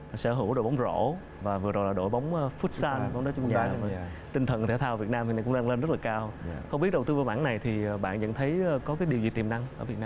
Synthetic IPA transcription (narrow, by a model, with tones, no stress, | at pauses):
sɛ̰˧˩ɦɨ˧˩wɗo˧˨jɓa˨˦wŋ͡mzo̰˧˩˥ | vaː˨˩vɨ˨˩əzo˨˩jlaː˨˩ɗo̰˧˩jɓa˨˦wŋ͡mːfu˦˥t̚saː˧nɓa˨˦ŋ͡mɗɔ˨˦t͡ɕʊ˧ŋ͡mɲaː˧˦ɲ˩ə˧maː˨˩˨ | t̪ï˧ŋ̟t̪ʰə˨˩nt̪ʰe˧˩t̪ʰaː˧wvi˨˩ət̚naː˧mvi˨˩na˨˩kʊ˧ŋ͡mɗaː˧ŋle˧nzə˦˥t̚laː˨˩kaː˧wxə˧ŋ͡mi˦˥t̚ɗə˨˩wt̪ɨ˧vaː˨˧˩mɓaː˧˥na˨˩jt̪ʰi˨˩˨ɓa̰ː˧˨nzə̰˧˨nt̪ʰə˨˦jkɔ˨˦kaː˨˦jɗi˨˩wzi˨t̪i˨˩mna˧ŋʔəː˧˩vi˨˩ənaː˧